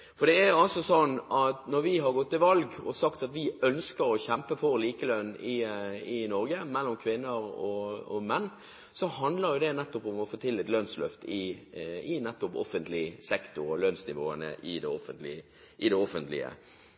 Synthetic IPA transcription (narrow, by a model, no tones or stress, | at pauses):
fɔɾd̪ɛæɾjʊɑlsɔsɔnːɑt̪nɔɾʋɪɦɑɾɡɔt̪ʰːɪlʋɑlɡɔsɑkt̪ɑt̪ʋɪœnskəɾɔçɛmpəfɔɾliːkəlœnːɪɪnɔɾɡəmɛlːɔmkʰʋɪnːəɾɔɔmɛnː | sɔhɑnd̪ləɾjʊd̪ɛnɛt̪ːɔpʊmɔfoːt̪ʰɪlːɪːt̪lœnslœ̰ft̪ɪɪnɛt̪ːʊpɔ̰fənt̪lɪsɛkt̪ʊɾɔlœnsnɪʋo̰ːənə̰ʔɪd̪ɛɔfənt̪lɪ | ʔɪd̪ɛɔfənt̪lɪ̰ə̰